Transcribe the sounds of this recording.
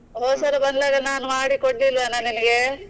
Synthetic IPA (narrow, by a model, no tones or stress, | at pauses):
ɦɔːsɐɾɐbɐnd̪lɐɡɐɭnaːnumaːɽikoɽːilʋanɐnimɐɡe